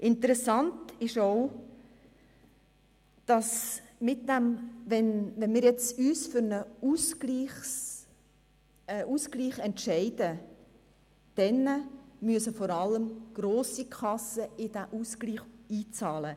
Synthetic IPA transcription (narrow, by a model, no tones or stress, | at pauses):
ʔɪnt̪əɾɛsɑntɪʃoʊ | d̥ɑsmɪt̚dæmʋɛnʋɛnmɪːɾjɛt͡syːsfʏɾnəusliː | ʔuskliːχɛntʃɛɪd̥ə | d̥ɛnəmyəsəfɔɾɑləmɡ̥ɾoːsikʰɑsəɪd̥æʔuskliːχiːt͡sɑːlə